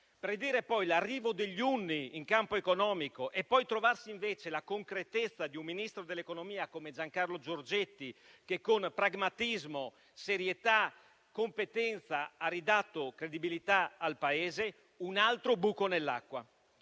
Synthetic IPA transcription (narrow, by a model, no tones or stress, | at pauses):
pɾid̪iːɾepɔjlarːiːvod̪eʎːunːiːŋkampoekonɔːmikoʔepːɔjt̪ɾovarsiiɱveːt͡ʃelakoŋkɾet̪et̪sːad̪iumːinist̪ɾod̪elːekonomiːakomed͡ʒaŋkarlod͡ʒord͡ʒet̪ːikekːonpɾaɡmat̪izmo | seɾjet̪a | kompet̪ɛnt̪saarid̪at̪ːokɾed̪ibilit̪aalpaeːze | unalt̪ɾobuːkonelːa̰kːwa̰